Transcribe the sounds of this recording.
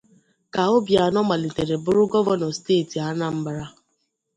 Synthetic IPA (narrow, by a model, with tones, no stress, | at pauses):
ka˨o˦bja˨nɔ˦ma˨li˨te˨ɾe˨bʊ˦ɾʊ˦ɡɔ˦vɔ˦nɔ˨steː˦˨ti˨a˦na˦m̩˦ba˦ɾa˦